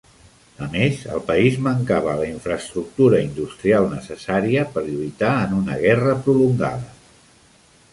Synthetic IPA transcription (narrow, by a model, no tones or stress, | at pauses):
əmezə̰lˠpəizməŋkaβ̞ələiɱfɾəːst̪ɾuk̚t̪uɾəind̪ust̪ɾialˠnəsəsaɾiəpəɾʎujt̪aənunəɣɛrəpɾuluŋɡa̰ðə